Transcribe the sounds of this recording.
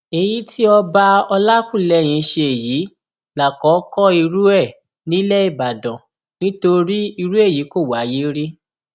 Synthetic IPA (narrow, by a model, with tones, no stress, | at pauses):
e˨ji˨˦ti˦ɔ˧ba˧ɔ˧la˦kũ˦˨lɛ˨˦˨j̃ĩ˨˧˦ʃe˧e˨ji˨˦ | la˨kɔ˨˦kɔ˦i˧ɾu˦ɛ˦˨ | nĩ˦lɛ˦i˦˨ba˨dɔ̃˨ | nĩ˦to˧ɾi˦i˧ɾu˦e˦˨ji˨˦ko˦˨wa˨˦ji˦ɾi˦